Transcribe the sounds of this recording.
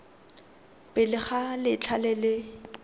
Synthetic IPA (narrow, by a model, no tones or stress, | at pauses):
pʼɪlɪχalɪt͡ɬʰalɛlɪ